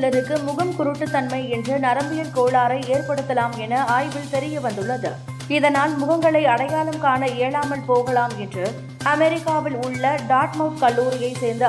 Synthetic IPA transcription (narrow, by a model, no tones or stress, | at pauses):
lɐɾɯkːɯmʊɣɐmkʊɾɯʈːɯt̪ːɐnmɐɪɛndrɯnɐɾɐmbɪjɐlkoːɭaːɾɐɪeːrpɐɽɯt̪ːɐlaːmɛnɐaːjʋɪlt̪ɛɾɪjɐʋɐnd̪ɯɭːɐðɯ̰ | ɪðɐnaːlmʊɣɐŋɡɐɭɐɪɐɽɐjaːlɐmkaːnɐeːɭaːmɐlpoːɣɐɭaːmɛndrɯ | ɐmɛɾɪkːaːʋɪlʊɭːɐɖaːʈmɐʊskɐɭːuːɾɪjɐɪseːɾnd̪ɯ